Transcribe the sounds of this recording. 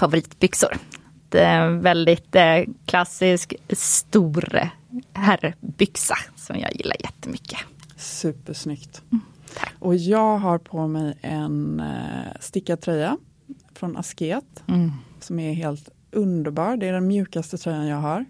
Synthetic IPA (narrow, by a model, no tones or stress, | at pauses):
favʊɾiːt̪bʏksʊɾ | d̪̥ɛvɛld̪ɪt̪kʰlasːɪskst̪uːɾ | hæɾbʏksasɔmjɑ̰ːɡjɪlːa̰ɾjɛt̪ʰːəmʏkʰːə̥sʉ̟ːpːəʂnʏkt̪ʰ | ʔɔjɑːɡɦaɾpʰɔmɛjɛ̰n | st̪ɪkːad̪̚t̪ʰɾœjːa | fɾɔnʔa̰skeːt̪sɔmæɾɦeːlt̪ | ʔɵnd̪əɾbɑːɾɖɛæɖɛnmjʉ̟ːkast̪ət̪ʰɾœjːanjɑːɡɦaɾ